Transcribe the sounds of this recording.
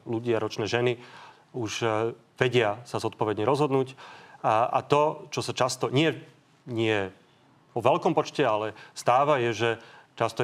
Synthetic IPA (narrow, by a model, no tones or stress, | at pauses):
luɟiaɾɔt͡ʃnɛːʒɛni | uʒ | ʋɛɟɪasazɔt̪̚pɔʋɛd̪ɲɛɾɔzɦɔd̪nuːc | a̰t̪ɔt͡ʃɔsat͡ʃast̪ɔɲɪɛ | ɲɪɛ | pɔʋɛlkɔmpɔt͡ʃcɛalɛst̪aːʋajɛʒɛt͡ʃast̪ɔ